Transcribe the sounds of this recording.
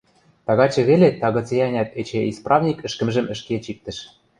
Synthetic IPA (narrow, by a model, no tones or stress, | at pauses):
t̪ɑɣɑt͡ɕɤ̆βelet̪ɑɣɤ̆t͡sejɑnʲɑt̪et͡ɕeisprɑvnʲikɘ̆ʃkə̆mʒɘ̆mɘ̆ʃket͡ɕik̚t̪ə̆ʃ